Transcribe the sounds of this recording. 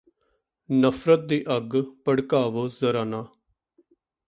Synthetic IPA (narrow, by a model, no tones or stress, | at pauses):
nəfʰɾət̪̚d̪iːʔəɡpəɽkaːʋoːzəɾaːnaː